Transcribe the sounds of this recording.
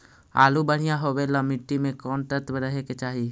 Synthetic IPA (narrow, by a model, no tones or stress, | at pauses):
a̰ːlubəɽ̤ɪjãɦowelamɪʈːimẽkɔːnʈ̪əɾt̪beɾəɦeket͡ʃaːɦi